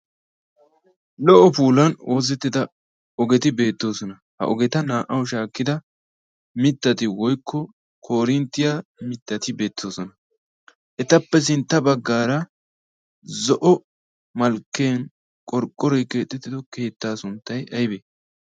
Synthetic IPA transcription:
lɔʔɔpuːlɐnoːzɛt̪ːɪd̪ɐ | ɔɡɛt̪ɪbe̞ːt̪ːo̞ːsɔnɐ | hɐ̰ʔɔɡɛt̪ɐnaːʔɐwʃaːkːɪd̪ɐ | mɪt̪ːɐt̪ɪwɔjkʰːɔ | kʰo̞ːɾɪnt̪ːɪjamɪt̪ːɐt̪ɪbe̞ːt̪ʰːo̞ːsɔnɐ | ʔɛt̪ɐpːɛs̬ɪnt̪ːɐbɐɡːaːɾɐ | zɔʔɔ | mɐlkːeːn | kʼɔɾkʼːɔɾɔjkːeːt̪ʼːɪt̪ːɪd̪ɔke̞ːt̪ːaːsʊnt̪ːɐjʔɐjbeː

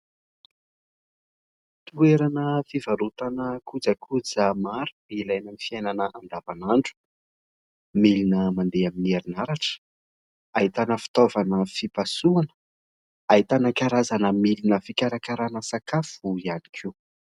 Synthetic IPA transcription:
t̪ueɾanəfivaɾut̪anəkʰud͡zakʰud͡zamaɾuilajnamifiajnanəʔand̪avanaɳɖ͡ʐu̥ | milinəmand̪eaminieɾinaɾaʈ͡ʂə̥ | ait̪anəfi̥t̪ovanəfipasuanə̥ | aɦit̪anakaɾazanəmilinəfikʲaɾakaɾanəsakafuianikʰu

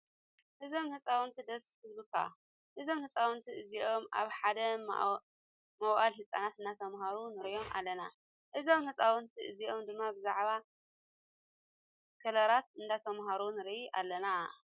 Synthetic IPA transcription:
ʔɨzo̞mhɨt͡sʼawɨnt̪ʰid̪ɐskɨzbɨkʰa̰ | ʔɨzo̞mhɨt͡sʼawɨnt̪ʰiɨziʔo̞mʔa̰βħad̪ɐm̰ | mɐwʔalɦɨt͡sʼa̰nat̪ɨndat̪ʰɐmɦaɾunɨɾjo̞mʔa̰lːɐna | ʔɨzo̞mhɨt͡sʼawɨnt̪ʰiʔɨziʔo̞md̪ɨmːabɨzaʕβa | kʰɐlɐɾat̪ɨnd̪at̪ʰɐmɦaɾunɨɾʔiʔa̰lːɐna

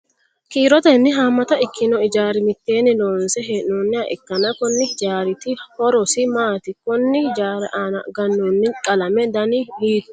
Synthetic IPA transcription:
kiːɾɔt̪ɐnːɪɦaːmːɐt̪ɐɪkːɪnɔɪd͡ʒaːɾɪmɪt̪ːeːnːɪloːnsɛɦeːʔnoːnːɪɐʔɪkːɐnɐkɔnːɪd͡ʒaːɾɪt̪ɪhɔɾɔsɪmaːt̪ɪkɔnːɪd͡ʒaːɾʔaːnɐɡɐnːonːɪkʼɐlɐmɛd̪ɐnɪliːt̪ʊ̥

